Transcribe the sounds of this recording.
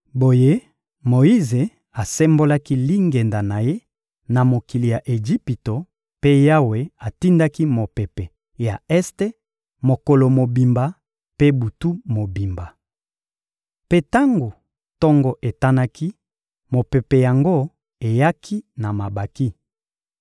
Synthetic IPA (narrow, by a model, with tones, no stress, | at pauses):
bo˨je˦ | mo˨i˦ze˨ | a˨sɛ˦mbo˦la˦ki˦li˦ŋɡe˨nda˨na˨je˦ | na˨mo˨ki˨li˨ja˨ʔe˨ʒi˦pi˨to˨ | pe˦ja˦we˨a˨ti˦nda˦ki˦mo˨pe˨pɛ˨ | ja˨ɛ˦ste˦ | mo˨ko˨lo˨mo˨bi˨mba˨ | pe˦bu˨tu˦mo˨bi˨mba˨ | pe˦ta˦ŋɡo˨ | tɔ˦ŋɡɔ˦ʔe˨ta˦na˦kʰi˦ | mo˨pe˨pe˨ja˨ŋɡo˦ | e˨ja˦kʰi˦na˨ma˨ba˨ki˦